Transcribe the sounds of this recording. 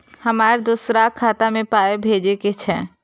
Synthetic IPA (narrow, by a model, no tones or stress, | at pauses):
hɐmaːɾd̪usɾakʰaːt̪amẽpaːebʱeːd͡ʒeket͡ʃʰɛ